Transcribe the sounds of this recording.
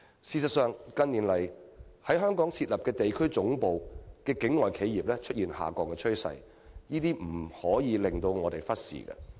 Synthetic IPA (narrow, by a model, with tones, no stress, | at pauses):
siː˧sɐ˨t̚sœː˨˧ŋkɐ˧nni˨˩nlɐ˨˩jhɐ˨˥jɦœː˥ŋkɔː˨˥ŋt͡sʰiː˧t̚lɐ˨p̚kɛː˧t̪e˨jkʰɵ˥ɥt͡sʊ˨˥ŋpo˨wkɛː˧kɪ˨˥ŋːɔː˨˩jkʰe˨˥jjiː˨˩p̚lɛː˥t͡ʃʰɵ˥t̚jiː˨nha̰ː˨kɔː˨˧kːɛː˧t͡ʃʰɵ˥ɥsɐ̰˨j | jiː˥t̪iː˥m̩˨˩hɔː˨˥jiː˨˧lɪ˨˩ŋt̪o˧wŋɔː˨˧t̪e˨jfɐ˥t̚sḭː˨˩kɛ̰˧